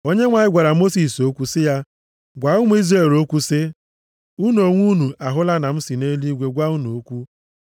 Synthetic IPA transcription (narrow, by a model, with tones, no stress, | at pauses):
o˦ɲe˦ŋʷa˨ɲɪ˦ɡʷa˨ɾa˨mo˦si˨so˦kʷu˦sɪ˦ja˦ | ɡʷa˨ʊ˦ŋʷ˦i˦zre˦˨ɾo˦kʷu˦sɪ˦ | u˦nu˨o˨ŋʷu˦nu˨a˨ɦʊ˦la˦na˨m̩˦si˨ne˦li˦ɡʷe˨ɡʷa˦u˦nu˨o˦kʷu˦